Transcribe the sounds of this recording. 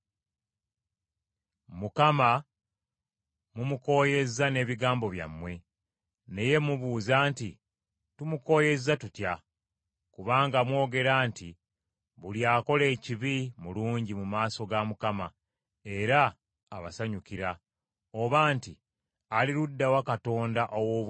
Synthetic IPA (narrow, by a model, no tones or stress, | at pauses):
mukama | mumuko̞ːje̞zːane̞ːβiɡaːmbo̞βja̰mːwe̞ | ne̞je̞muβuːzaːnti | tumuko̞ːje̞zatutja | kuβaːŋɡamwo̞ːɡe̞ɾaːnti | βuljaːko̞le̞ːciβimuluːɲɟimumaːso̞ɡamukama | e̞ɾaː | βa̰saɲukiɾa | o̞βaːnti | aliɾudːawakato̞ːndaʔowo̞ːβ